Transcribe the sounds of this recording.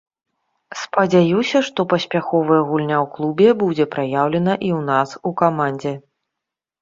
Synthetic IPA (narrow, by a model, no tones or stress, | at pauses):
spɐd͡zʲajusʲɐʂt̪ɔpɐsʲpʲaxɔvɐjɛɣulʲnʲawklˠubʲɛbud͡zʲɛpɾajawlʲɛnɐʔiwnasukamanʲd͡zʲɛ